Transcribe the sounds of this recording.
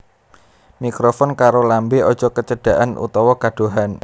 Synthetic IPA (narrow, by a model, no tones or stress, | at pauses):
mikɾofɔnkaɾolambeɔd̥ʒ̥ɔ̤kət͡ʃəɖ̥a̤ʔanṵt̪ɔwɔɡaɖ̥o̤ɦan